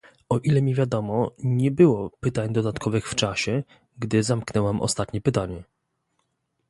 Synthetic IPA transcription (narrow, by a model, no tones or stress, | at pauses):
ɔʔilɛmʲivʲjad̪ɔmɔɲɛbɘwɔpɘt̪aɲd̪ɔd̪at̪kʰɔvɘxft͡ʂaɕɛ | ɡd̪ɘzamknɛwamʔɔ̰st̪at̪ɲɛpɘt̪aɲɛ